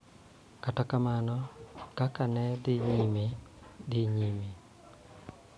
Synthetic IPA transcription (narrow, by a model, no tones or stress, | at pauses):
katakamanɔkakanɛdɪɲimed̪ɪɲime